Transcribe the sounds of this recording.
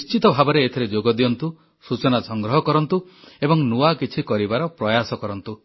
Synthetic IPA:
nist͡ʃit̪ɔbʱabɔɾeːt̪ʰɔɾed͡ʒoɡɔd̪ijɔnt̪u | sut͡ʃɔnasɔŋɡɾɔɦɔkɔɾɔnt̪uebɔŋnuakit͡ʃʰikɔɾibaɾɔpɾɔjasɔkɔɾɔnt̪u

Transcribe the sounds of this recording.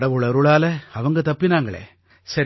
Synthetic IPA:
ɽɐʋɯɭɐɾʊɭaːlɐɐʋɐŋɡɐt̪ɐpːinaːŋɡɐɭḛː | sɐɾ

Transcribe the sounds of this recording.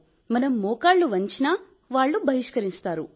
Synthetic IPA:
mɐnɐmːɔːkaːɭːuʋɐɲt͡ʃina | ʋaːɭːubʱɐɦiʂkɐɾist̪aːɾu

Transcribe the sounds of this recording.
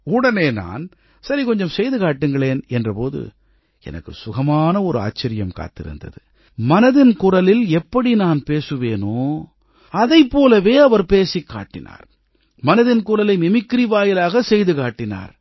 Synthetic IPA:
ʊɽɐneːna̰ːn | sɐɾikɔɲd͡ʒɐmsɛjðɯkaːʈːɯŋɡɐɭeːnɛndrɐpoːðɯ̰ | ɛ̰nɐ̰kːɯ̰sʊɣɐmaːnɐɔɾɯa̰ːt͡ʃːɐɾɪjɐmka̰ːt̪ːɪ̰ɾɯ̰nd̪ɐ̰ðɯ | mɐnɐðɪnkʊrɐlɪlɛpːɐɽinaːnpeːsɯʋeːnoː | ɐðɐɪpːoːlɐʋeːɐʋɐɾpeːsɪkːa̰ːʈːɪna̰ːɾ | mɐnɐðɪnkʊrɐlɐɪmɪmɪkːɪɾiʋaːjɪlaːɣɐsɛjðɯkaːʈːɪna̰ːɾ

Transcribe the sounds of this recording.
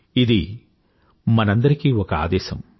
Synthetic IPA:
id̪i | mɐnɐnd̪ɐɾikiɔkɐa̰ːd̪ɛːʃɐ̰m

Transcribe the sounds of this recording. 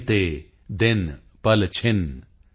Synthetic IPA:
t̪eː | d̪ɪn | pɐlt͡ʃʰɪn

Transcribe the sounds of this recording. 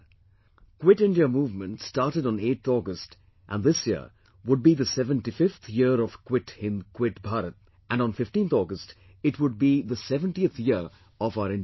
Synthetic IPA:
kwɪʈɪ̃nɖiəmuːvmə̃nʈstaːɾʈəɾn̩eːt̪ɔɡəst | ʔæ̃nd̪ɪsjiə̰ | wʊɖ̚biðəsɛvə̃nʈifɪft̪ʰjɪəɾɔv̥kwɪʈɪ̃nkwɪʈbʱaɾət̪̚ | ʔæ̃ñnfɪfʈĩːnt̪ɔːɡəst | ɪʈwʊɖ̚biðəsɛvə̃nʈiəθjɪəɾ | ɔvaʊəɾɪ̃nɖ

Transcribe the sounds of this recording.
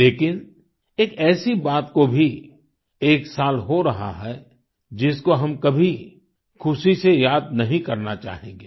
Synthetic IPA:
leːkɪn | eːkɛːsibaːt̪kobʱi | eːksaːlɦoɾɐɦa̰ɦɛ | d͡ʒɪskoɦɐmkɐbʱi | kʰʊsisejaːd̪̚nɐɦĩkɐɾnat͡ʃa̰ːɦẽːŋɡeː

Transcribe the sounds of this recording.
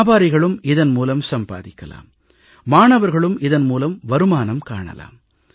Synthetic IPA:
baːɾɪɣɐɭɯmɪðɐnmuːlɐmsɐmbaːðɪkːɐla̰ːmː | aːɳɐʋɐɾɣɐɭɯmɪðɐnmuːlɐmʋɐɾɯmaːnɐmkaːɳɐ̰la̰ːm

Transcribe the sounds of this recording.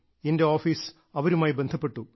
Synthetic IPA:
ende̞oːfiːs | ɐʋɐɾumaːjibend̪ʱɐpːe̞ʈːu

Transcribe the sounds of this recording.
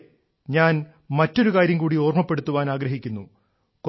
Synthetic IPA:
ɲaːn | mɐtːo̞ɾukaːɾjɐmkuːɽioːrmɐpːe̞ɽut̪ːuʋaːnaːɡɾɐɦikʲːunːu | k

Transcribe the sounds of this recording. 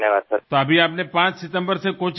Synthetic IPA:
njəʋaːd̪səɾt̪oɐbʱiaːpnepãːt͡ʃsɪt̪ə̃mbəɾsekot͡ʃ

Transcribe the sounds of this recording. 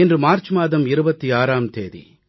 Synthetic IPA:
ɛndrɯmaːɾt͡ʃmaːðɐmɪɾɯbɐt̪ːiaːɾaːmt̪eːðḭ

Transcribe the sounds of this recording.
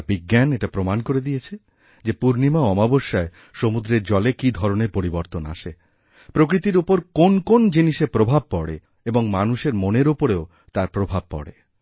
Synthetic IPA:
biɡːaneʈapɾomankoɾed̪ijet͡ɕʰe | d͡ʑepuɾnimaɔmaboʃːae | ʃomud̪ɾeɾd͡ʑɔlekid̪ʱɔɾoneɾpoɾiboɾt̪ona̰ʃe | pɾokɾit̪iɾupoɾkonkond͡ʑiniʃepɾobʱab̚pɔɽe | eboŋmanuʃeɾmoneɾupoɾeo | t̪aɾpɾobʱab̚pɔ̰ɽḛ

